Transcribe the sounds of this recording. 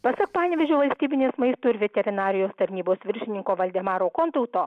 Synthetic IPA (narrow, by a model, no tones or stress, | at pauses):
pɐsɐkpɑːnʲʋʲɛʒʲoːʋɐlʲsʲt̪ʲiːbʲɪnʲeːsmɐɪst̪oːɪɾʲʋʲɛt̪ʲɛɾʲɪnɑːɾʲɪjoːst̪ɐɾʲnʲiːboːsʋʲɪɾʲʃʲɪnʲɪŋkoːʋɐlʲd̪ʲɛːmɑːɾoːkoːnt̪ʊt̪oː